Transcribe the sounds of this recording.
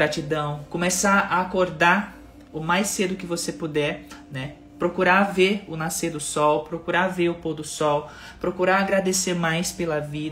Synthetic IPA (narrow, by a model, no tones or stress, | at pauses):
ɾat͡ʃid̪ɐ̃w̃kõmesaaːkoɾd̪a | ʊmajsed̪ʊkɪvosepud̪ɛɾnɛ | pɾokuɾaveɾʊnaseɾd̪ʊsɔwpɾokuɾaveɾʊpowd̪ʊsɔw | pɾokuɾaaɡɾad̪eseɾmajspelɐvid̪